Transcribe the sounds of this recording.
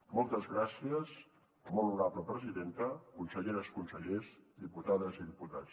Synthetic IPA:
mɔlˠt̪əzɣɾasiəz | monuɾapləpɾəziðent̪əkunsəʎeɾəskunsəʎezd̪iput̪aðəziðiput̪a̰t͡s

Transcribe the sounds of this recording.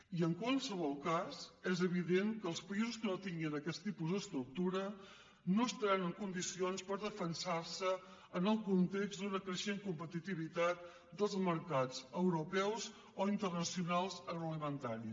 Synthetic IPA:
iəŋkwalˠsəβ̞ɔlˠkazɛzəβ̞iðeŋkəːlˠspəizuskənot̪iŋɡiənəkɛst̪ipuzðəst̪ɾuk̚t̪uɾə | noəst̪ɾɛnəŋkund̪isionspəɾðəfənsarsəː | nəlˠkunt̪eɡzd̪unəkɾəʃenkumpət̪it̪iβ̞it̪at̪̚ | d̪əlˠzməɾkazəwɾupɛwz | oint̪ərnəsiunalˠzəɣləmənt̪aɾi

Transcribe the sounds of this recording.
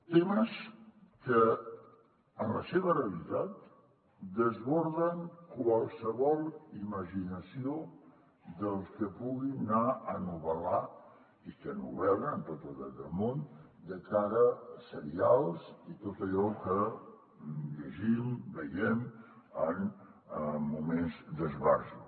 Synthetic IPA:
t̪eməskə | ənləseβəreəlit̪at̪ | d̪əzβɔɾðəŋkwəlˠsəβɔlˠiməʒinəsio | d̪əlˠskəpuɣinːaənuβəla | ikənṵβɛwɾnt̪ot̪uðad̪əlˠmond̪əkaɾəsəɾialˠzit̪ot̪əʎɔkə | ʎəʒimbəjɛm | ənː | umenzd̪əzβarzu

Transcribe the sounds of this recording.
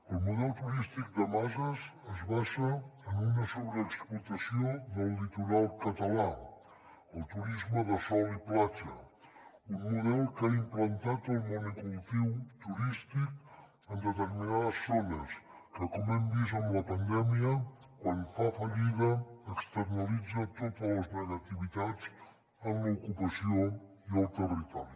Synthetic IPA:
əlˠmuðɛlˠt̪uɾist̪ik̚d̪əmazəzəzβaʃəənunəsoβɾəːksplut̪əsiodəlˠːit̪uɾalˠkət̪əla | əlˠt̪uɾizməðəsɔliplat͡ʃə̰ | unmuðɛlˠkaimplənt̪at̪əlˠmunukult̪iwt̪uɾist̪ik̚ | ənd̪ət̪əɾminaðəsːonəskəkɔməmb̪izəmləpənd̪ɛmiə | kwanfafəʎiðəəkst̪əɾnəlid͡zət̪ot̪ələznəɣət̪iβit̪ad͡z | əmləukupəsio | iəlˠt̪ərit̪ɔɾi

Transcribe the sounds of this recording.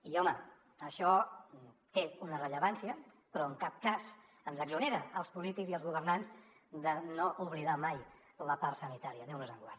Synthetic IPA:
iɔmə | əʃɔ | t̪eunərəʎəβansiə | pɾɔəŋkap̚kaz | ənzəɡzuneɾəəlˠspulit̪ikziəlˠzɣuβ̞ərnanz | d̪ənoʔuβliðamaj | ləpaɾsənit̪aɾiəðewnuzəŋɡwaɾt

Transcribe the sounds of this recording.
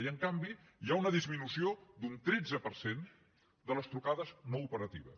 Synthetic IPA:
iəŋkambi | jaunəðizminusiod̪unt̪ɾed͡zəpəɾsen | d̪ələst̪ɾukaðəznoupəɾət̪iβə̰s

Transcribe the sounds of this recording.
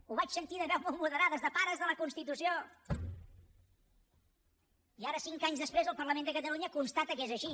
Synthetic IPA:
uβat͡ʃsənt̪iðəβɛwmolˠmuðəɾaðəzðəpaɾəzðələkunst̪it̪usio | iaɾəsiŋkaɲzðəspɾezəlˠpərləmend̪əkət̪əluɲəkunst̪at̪əkezəʃi

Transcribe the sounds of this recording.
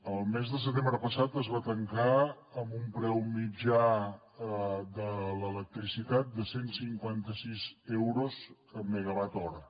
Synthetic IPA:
əlˠmezðəs̬ət̪embɾəpəsat̪əzβat̪əŋka | əmbumpɾɛwmid͡ʒa | əd̪ələlək̚t̪ɾisit̪at̪̚d̪əsensiŋkwant̪əsizɛwɾoz | əmːəɣəβat̪ɔɾə

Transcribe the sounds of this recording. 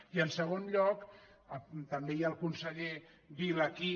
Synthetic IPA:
iənsəɣ̞onʎɔk | ət̪əmbejaːlˠkunsəʎe | βiləki

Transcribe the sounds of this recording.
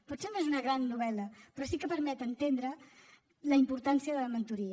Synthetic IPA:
put̪senoezunəɣɾanːuβ̞ɛləpɾɔsikəpəɾmɛt̪ənt̪end̪ɾə | ləimpuɾt̪ansiəðələmənt̪uɾiə

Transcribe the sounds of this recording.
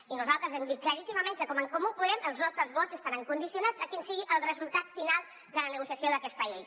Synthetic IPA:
inuzalˠt̪ɾəzɛmd̪it̪̚kləɾisiməmẽŋkəkɔməŋkomupuðɛməlˠznɔst̪ɾəzβɔzəst̪aɾəŋkund̪isiunaz̥əkinsiɣiʔəlˠrəzulˠt̪at̪finalˠ | d̪ələnəɣusiəsioðəkɛst̪əej

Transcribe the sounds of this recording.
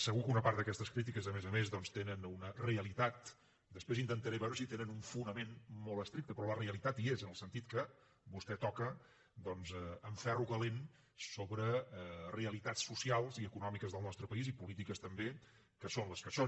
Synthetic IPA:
səɣukəunəpaɾt̪d̪əkɛst̪əskɾit̪̬ikəzəmezəmezðɔnst̪enənunəreəlit̪at̪ | d̪əspɾezint̪ənt̪əɾeβɛwɾəsit̪enənuɱfunəmenmɔlˠt̪əst̪ɾik̚t̪əpɾɔləreəlˠit̪at̪iezənəlˠsənt̪it̪kə | bust̪ɛt̪ɔkə | d̪ɔnzəəɱfɛruɣəlen | soβɾəreəlit̪asːusialˠziəkunɔmikəzðəlˠnɔst̪ɾəpəizipulit̪ikəst̪əmbe | kəsonləskəso

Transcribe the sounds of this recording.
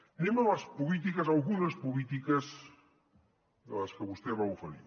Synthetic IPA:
nemelɐspulit̪̬ikɐsalɣunɐspolit̪ikɐz | ðelɐskeβust̪eβawfɐlḭɾ

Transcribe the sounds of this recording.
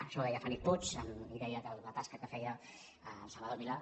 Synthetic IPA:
əʃɔɛjafanipot͡ʃəniðɛjəðəlˠlət̪askəkəfɛjə | lˠsəlβəðolβila

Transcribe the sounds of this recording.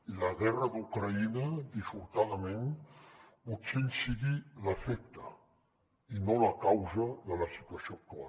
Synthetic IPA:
iləɣɛrəd̪ukɾəinəd̪ifuɾt̪aðəmen | putseʎsiɣiləfek̚t̪ə | inoləkawzəðələsi̥t̪uəsiok̚t̪ua̰

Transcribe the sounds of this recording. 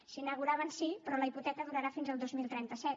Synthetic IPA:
sinəɣuɾaβ̞ənsipɾɔləiput̪ɛkəðuɾəɾafinzəlˠd̪ozmilˠt̪ɾɛnt̪əsɛt̪

